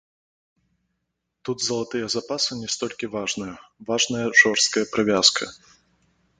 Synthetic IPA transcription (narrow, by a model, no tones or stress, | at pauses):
t̪ud̪zɐlˠat̪ɨjɐzapasɨnʲɛst̪ɔlʲkʲivaʐnɨjɐvaʐnɐjɐʐɔrst̪̚kɐjɐpɾɨvʲaskʰɐ̰